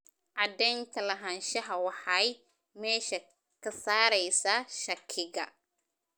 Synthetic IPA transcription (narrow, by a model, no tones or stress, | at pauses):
ʕɑd̪ɛːnt̪ʰɐlɐɦɐnʃɐɦɐwɑħɑj | mɛːʃɐ | kʰɐsaːɾɛjsɐʃɐkʰɪɣɐ